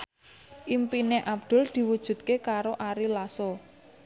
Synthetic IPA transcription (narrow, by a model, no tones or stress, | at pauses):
ʔimpineʔab̚d̪̥ʊ̤ld̪̥i̤wud̥ʒ̥ṳt̪̚kekaɾoʔaɾilaso